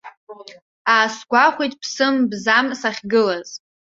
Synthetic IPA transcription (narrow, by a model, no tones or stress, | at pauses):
aːsɡʷaχʷijtʼpʰsɨmbzamsaχʲɡɨlaz̥